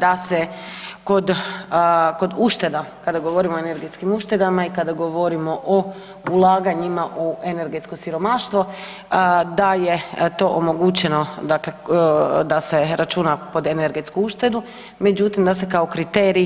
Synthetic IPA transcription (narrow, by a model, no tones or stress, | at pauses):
d̪aseko̞d̪ | ko̞d̪uʃt̪e̞d̪akad̪aɡoʋoɾimoeneɾɡe̞t̪skimuʃt̪e̞d̪amaikad̪aɡo̞ʋoɾimo̞ʔo | ulˠaːɡaɲimaʔoe̞ne̞ɾɡe̞t̪sko̞siɾo̞maʃt̪ʋo̞ | d̪ajet̪o̞ʔomo̞ɡut͡ɕe̞no̞d̪akle̞d̪ase̞ɾat͡ʃunapo̞d̪eneɾɡe̞t̪skuuʃt̪e̞d̪u | me̞d͡ʒut̪imd̪ase̞kaokɾit̪eːɾi